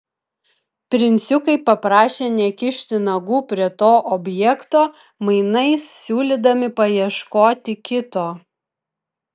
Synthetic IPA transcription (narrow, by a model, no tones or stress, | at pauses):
pʲɾʲɪnʲt̪sʲʊkɐɪpɐpɾɑːʃʲeːnʲɛkʲɪʃʲt̪ʲɪnɐɡuːpʲɾʲiɛt̪oːʔɔbʲjɛkt̪oː | mɐɪnɐɪsːʲuːlʲid̪ɐmʲɪpɐjiɛʃkoːt̪ʲɪkʲɪt̪oː